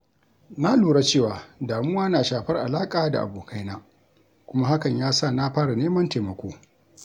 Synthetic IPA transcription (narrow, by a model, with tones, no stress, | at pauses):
na˦luː˨ɽa˦t͡ʃeː˦˨waː˨daː˨mʊ˦waː˦naː˨ʃaː˨ɸɐ˦rʔa̰˨laː˦kʼaː˨da̰˨ʔa̰˨boː˨kʰa˦jnaː˦ | kʷʊ˦ma˦ha˦kɐ˨ɲjaː˦sa˦˨na˦ɸaː˦ɽa˨neː˦mɐ˦nte˨mɐ˨kʷoː˦